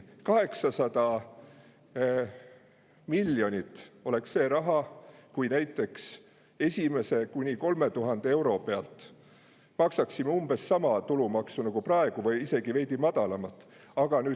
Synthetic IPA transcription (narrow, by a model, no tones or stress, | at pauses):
kɑɦe̞ksɑsɑd̪̥ɑ | milːjo̞nʲit̪ːˑo̞le̞ksːe̞ːɾɑɦɑkujnæjt̪ːˑe̞ks | e̞sʲime̞se̞kunʲiko̞lme̞t̪uɦɑnd̪̥ee̞wɾo̞pe̞ɑ̰lt̪ˑ | mɑksɑksimːeumb̥e̞sːɑmɑt̪ulumɑksunɑɡ̥uprɑe̞ɡ̥uvɤjise̞ɡ̥ive̞jd̪̥imɑd̪ɑlɑmɑt̪ːˑ | ɑɡ̥ɑnyː